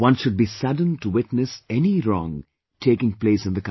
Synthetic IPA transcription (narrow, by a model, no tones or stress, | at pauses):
wʌ̃nʃʊd̚biːsʌd̃n̩tuwɪtnɨsɛniɾɔ̃ŋ | ʈʰeːkɪ̃ŋpleːsɨ̃nd̪əkã